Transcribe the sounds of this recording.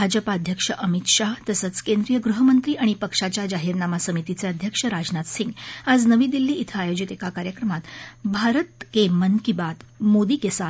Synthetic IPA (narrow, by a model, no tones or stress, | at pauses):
bʱad͡ʑəpaəd̪ʱjəkʂəʔəmit̪ʂaɦt̪əsəːt͡skend̪ɾijəɡɾuɦəmənt̪ɾiːaɽ̃ipəkʂat͡ɕjad͡ʑaɦiɾnamasəmit̪it͡seəd̪ʱjəkʂəɾad͡znat̪siŋɡad͡znəʋiːd̪ilːiːit̪ʰəajod͡ʑit̪ekakaɾjəkɾəmat̪bʱaɾət̪kemənkibat̪mod̪iːkesa